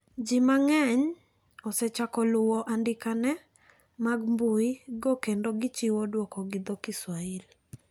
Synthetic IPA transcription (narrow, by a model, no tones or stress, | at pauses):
d͡ʒimaŋɛɲ | ɔsɛt͡ʃakɔlʊwɔʔandɪkanɛ | maɡmbʊiɡokendoɡɪt͡ʃɪwodwɔkɔɡɪd̪ɔkɪswail